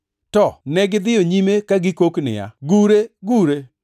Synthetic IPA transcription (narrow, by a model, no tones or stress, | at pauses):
tɔnɛɡɪd̪ɪjoɲimekaɡɪkoknɪ̰ja̰ɡuɾeɡuɾe